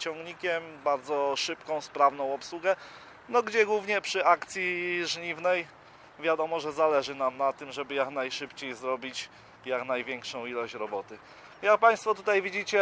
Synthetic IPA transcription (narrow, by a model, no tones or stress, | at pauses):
t͡ɕɔ̃ŋɡɲikʲɛmbaɾd̪zɔʂɘpkɔ̃w̃spɾavnɔ̃w̃ɔpswuɡɛ | nɔɡd͡ʑɛɡwuvɲɛpʂɘʔakt̪sʲjiʐɲivnɛj | vʲjad̪ɔmɔʐɛzalɛʐɘnamnat̪ɘmʐɛbɘjaknajʂɘpt͡ɕejzɾɔbʲit͡ɕ | jaknajvʲjɛŋkʂɔ̃w̃ilɔɕt͡ɕɾɔbɔt̪ɘ | jak̚paj̃st̪fɔt̪ut̪ajvʲid͡ʑit͡ɕɛ